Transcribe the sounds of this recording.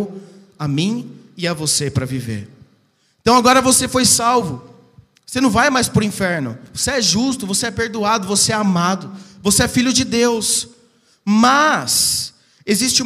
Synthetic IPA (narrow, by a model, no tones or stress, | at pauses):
amĩ | ɪavosepɾɐvivḛɾ | ẽt̪ɐ̃w̃aɡɔɾɐvosefojsawvʊ | osenɐ̃w̃vajmajspʊɾʊĩfɛɾnʊ̰voseɛʒust̪ʊvoseɛpeɾd̪uad̪ʊvoseɛamad̪ʊvoseɛfiʎʊd͡ʒɪd̪ews | mɐs | ezist͡ʃɪu